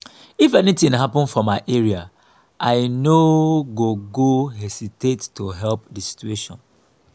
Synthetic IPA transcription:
ifɛnitĩŋɦapə̃nfɔmaɪʔɛɹia | ʔaɪnoɡoɡoɦesitetːoɦɛlp̚disi̥t͡ʃueʃɔ̰̃n

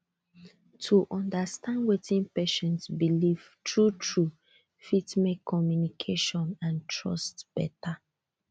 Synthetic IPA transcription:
tʰuʔɔ̃ndastãndwetʰĩnpeʃɛ̃nsbiliv | tʰɹutʰɹu | fitmekʰːɔmjunikʰeʃɔ̃nãntʰɹɔ̰stb̥ɛ̰ta

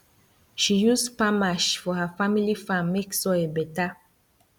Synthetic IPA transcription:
ʃijuspamaʃfɔɦəfamilifãmːeksɔebɛta

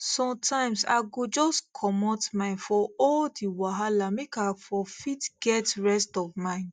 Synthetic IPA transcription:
sɔ̃mtʰãɪ̃msa̰ɪɡod͡ʒɔskʰɔmɔtmãɪ̃nfɔɔldiwaɦalamekafɔfitɡ̥ɛtɹɛstɔvmãɪ̃n

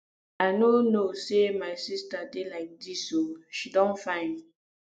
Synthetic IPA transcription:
aɪnonosemaɪsistadelaɪk̚disoʃidɔ̃nfãɪ̃n

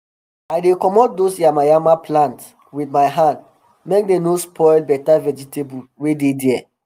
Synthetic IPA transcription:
aɪdekɔmɔt̚dosjiamaɪamaplãnt | widmaɪɦãnd | mek̚denospʰɔɪlbɛtavɛd͡ʒitebuwededɛɛ

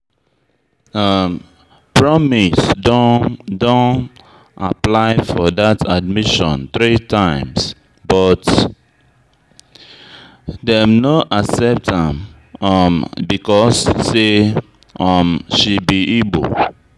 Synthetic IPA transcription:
ʌm | pɹɔmisdodõn | aplaɪfɔdatad̚miʃɔ̰̃ntɹitʰãɪ̃ms | bɔt | dɛmnoʔasɛp̚tãm | mbikɔsːe | ʌmʃibiʔebo̰l

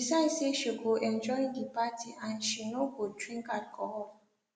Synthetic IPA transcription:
isaɪseʃiɡoʔɛ̃nd͡ʒɔĩdipatʰiʔãnʃinoɡodɹĩŋkat̚kʰɔɔ

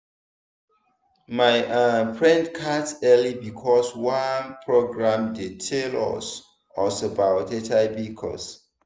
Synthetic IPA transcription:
maɪapʰɹɛ̃ndkʰatsɛlibikʰɔswãnpʰɹoɡɹãmdetʰelɔ̰s | ɔsobawtetʰaɪbikʰɔ̰s

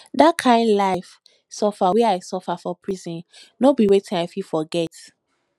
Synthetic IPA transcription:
dakʰãɪ̃ndlaɪf | sɔfawɛaɪsɔfafɔpʰɹizɔ̃n | nobiwetĩnaɪfifɔɡɛt

